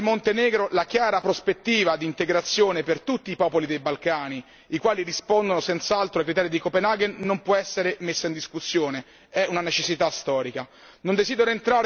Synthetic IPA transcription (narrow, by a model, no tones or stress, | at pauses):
mont̪enɛːɡɾolakjaːɾapɾospet̪ːiːvad̪iːnt̪eɡɾat̪sːjoːnepert̪ut̪ːiːpɔːpolid̪ejbalkaːni | ikwaːlirispond̪onosɛnt̪saalt̪ɾoajkɾit̪ɛːɾid̪ikopenaɡenːompwɔɛsːeɾemesːaind̪iskusːjoːne | ɛʔunanet͡ʃesːit̪ast̪ɔːɾika | nond̪ezid̪eɾoent̪ɾaːɾ